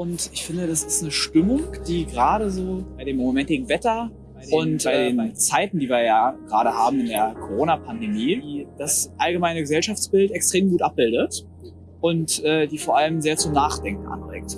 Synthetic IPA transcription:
ʔʊntʔɪçfɪndədasɪstnəʃtʏmʊŋd̥iːɡəʁaːɾəzoːb̥aɪdeːmːomɛntɪːɡŋ̩vɛtɐ | ʊntb̥aɪdeeːnt͡saɪtn̩diːviːɐjaːɡ̥əʁaːɾəhaːbm̩ɪndeːɐkʰoʁoːnapʰandemiːd̥asʔalɡəmaɪnəɡəzɛlʃaft͡sb̥ɪltɛkstʁ̥eːmɡuːtʔap̚b̥ɪldət | ʔʊntʔɛːdiːfoːɐʔaləmzeːɐt͡sʊmnaːχd̥ɛŋk̚ŋ̩ʔa̰nbʁɛ̰kt

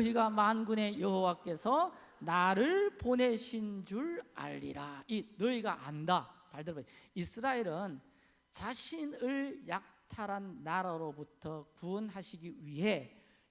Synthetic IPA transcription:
nʌiɡamanɡune̞jʌɦowak͈e̞sʰʌ | naɾɯɭpone̞ɕʰind͡ʑuɭa̰ʎːḭɾainʌiɡaʔandat͡ɕaɭdɯɭbaisʰɯɾaeɾɯn | t͡ɕaɕʰinɯɭjak̚tʰaɾanːaɾaɾobutʰʌkuʌnɦaɕʰiɡiɥiɦe̞

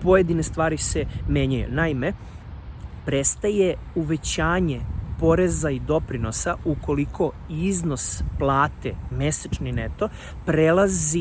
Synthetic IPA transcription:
po̞jed̪inest̪ʋaːɾise̞me̞ːɲajṵnaime̞ | pɾest̪aje̞ | uʋe̞t͡ɕaːɲe̞po̞ɾe̞zaid̪o̞pɾino̞sauko̞likʰo̞izno̞splˠaːt̪ḛme̞set͡ʃninet̪o̞ | pɾelˠazi

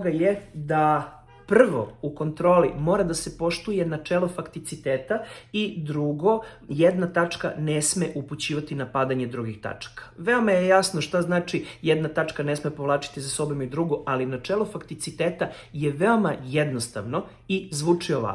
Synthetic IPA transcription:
oɡajed̪a | prr̩ʋo̞̰uko̞nt̪ɾo̞ːlimo̞ːɾad̪ase̞po̞ʃt̪uje̞nat͡ʂelˠofakt̪it̪sit̪eːt̪aid̪ɾuɡo̞jed̪nat̪at͡ʂka̰nesmeʔuput͡ɕiːʋat̪inapad̪aɲe̞d̪ɾuɡixt̪a̰t͡ʂḁkḁʋe̞omajejasnoʃt̪aznaːt͡ʃijed̪nat̪at͡ʂkanesmepo̞ʋlˠaːt͡ʃi̥t̪izaso̞bomid̪ɾuɡoʔalinat͡ʂelˠo̞fakt̪it̪sit̪eːt̪a | jeʋeo̞majed̪no̞st̪a̰ʋno̞ | izʋuːt͡ʂioʋa̰

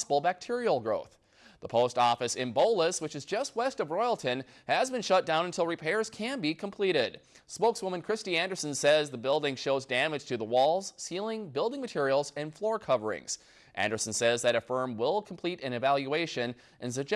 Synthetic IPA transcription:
səbl̩ˠbæk̚tʰɪɹil̩ˠɡɹoʊθ | ðəpʰoʊstɔfɨsɨ̃mboʊlˠəswɨt͡ʃɨzd͡ʒʌst̚wɛstʌvɹɔɪl̩ˠtʰɨ̃n | ɨzbɨ̃nʃʌt̚d̥ãʊ̃nɨ̃ntʰɪlˠɹipʰɛɪɹz̥kʰɨ̃nbikʰə̃m̩pʰl̥iɾɪd̥ | spoʊkswʊmə̃nkʰɹ̥ɪstiæ̃ndə˞sn̩sɛzðɨbɪlˠdɪ̃ŋʃoʊzdæmɨd̥ʒ̥tʰɨðəwɔlˠz̥silˠɪ̃ŋbɪlˠdɪ̃ŋmɨtʰɪɹil̩ˠzɨ̃nflɔɹkʰʌvə˞ɪ̰̃ŋz̥ | ʔæ̰̃ndə˞sn̩sɛzðɨɾɨfɜ̃˞mwɪlˠkʰm̩pʰl̥iɾɨ̃nɨvælˠjʉeɪʃɨ̃n | ʔɨ̃ns̬ɨd͡ʒ

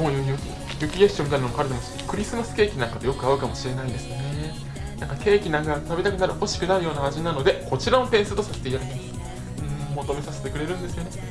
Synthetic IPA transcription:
moːjɯ | jɯ̟kʲieɕõnit̪anomoaɾɯd̪emosonokɯ̟ɾʲisɨmasɨ̥ke̞ːkʲinãŋkat̪o̞jo̞kɯ̟aɯ̟kamo̞ɕiɾe̞naid̪e̞sɨne̞ | nãŋkake̞ːkʲinãŋkat̪abʲit̪akɯ̟naɾɯ̟ho̞ɕi̥kɯ̟naɾɯ̟jo̞ːnaaʑinano̞d̪e̞ko̞t͡ɕiɾaopẽ̞ɰ̃sɨt̪o̞sase̥t̪eijaɾit̪ima | ɯ̟̃ːɴmo̞t̪o̞me̞sase̞t̪e̞kɯ̟ɾe̞ɾɯ̟̃nd̪esɨjo̞ne

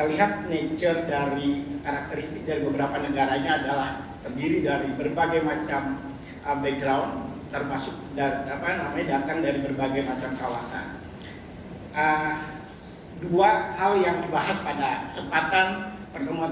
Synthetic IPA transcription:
əliɦat̪̚net͡ʃərdaɾikaɾak̚t̪əɾist̪ɪk̚daɾibəbəɾapanəɡaɾaɲaːdalahk̪əndiɾidaɾibərbaɡajmat͡ʃam | ʔəbɛk̚ɡɾaunt̪ərmasʊk̚daapanamaɲadat̪aŋdaɾibərbaɡajmat͡ʃamkawasa̰n | ʔə | duahaljaŋdibaɦaspadasəmpat̪anpərt̪əmuan

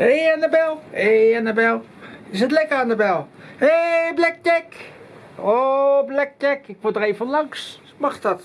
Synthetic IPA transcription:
ejanəbɛlˠeanəbɛlˠ | ɪs̬ətlɛkəandəbɛlˠeblɛk̚tɛk | oblɛk̚tɛkɪk̚ʋodrejfənlɑŋs | mɑχtɑt

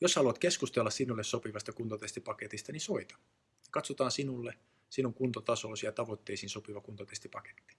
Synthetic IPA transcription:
joshɑluɑt̪ke̞skust̪elːɑssinulːessopiʋɑst̪ɑkunt̪ot̪est̪ipɑket̪ist̪ɑnisoit̪ɑ̥ | jɑkɑt̪sot̪ɑːnsinulːe | sinuŋkunt̪ot̪ɑsoːsiɑt̪ɑʋot̪ːeisiːnsopiʋɑkunt̪ot̪est̪ipɑke̥t̪ːi̥

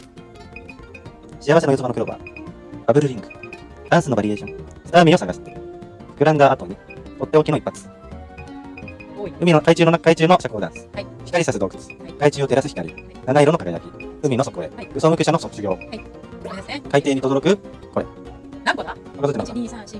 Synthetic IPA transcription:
ɕijaβaɕenojozobanokɯ̟ɾoba̰ | b̥abɯ̟ɾɯ̟ɾʲĩŋɡɯ̟̥ | d̪ãɰ̃sɨnobaɾʲieːɕõŋsɨt̪aːmʲio̞saɡasɨ̥t̪ːe̥kɯ̟ɾãnd̪aːt̪oɲ̟it̪ot̪ːeokʲino̞ipːat͡sɨ̥ | ɯminokait͡ɕɨːnokait͡ɕɨːno̞ɕakɯoːd̪ã̰ɰ̃sɨ̥çʲi̥kaɾʲisased̪oːkɯ̟̥d̪sɨ̥kait͡ɕɨːo̞t̪e̞ɾasɨ̥çi̥kaɾʲḭ | nanaiɾo̞nkaɡkaj̪a̰çʲiɯ̟mʲino̞sokɯkoɾḛɯ̟somɯ̟kʲɯ̟ɕanosokːt͡sɨɡʲo̞ː | kait̪eːɲ̟it̪o̞d̪oɾokɯ̟ | koḛ | okazot̪ːemas

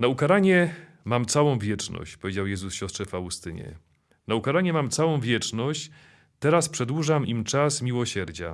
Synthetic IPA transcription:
naukaɾaɲɛ | mamt̪sawɔ̃w̃vʲjɛt͡ʂnɔ̰ɕt͡ɕpɔvʲed͡ʑawjɛzusɕɔstʂɛfawust̪ɘɲɛ̰ | naukaɾaɲɛmamt̪sawɔ̃w̃vʲjɛt͡ʂnɔɕt͡ɕ | t̪ɛɾaspʂɛd̪wuʐamimt͡ʂasmʲiwɔɕɛɾd͡ʑa̰

